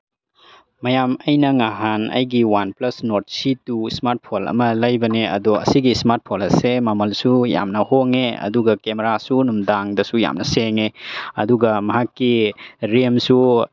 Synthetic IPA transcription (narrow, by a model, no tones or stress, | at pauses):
mɐjamɐjnɐŋaɦanɐ̰jɡiwanplɐsnot̚situsmaɾt̚pʰolɐ̰mɐlɐjbɐneɐ̰doɐ̰siɡismaɾt̚pʰolɐsemamɐlsuja̰mnɐhoŋeɐ̰duɡɐkemeɾasunumdaŋdɐsuja̰mnɐseŋeɐduɡɐmɐɦakːiɾemsu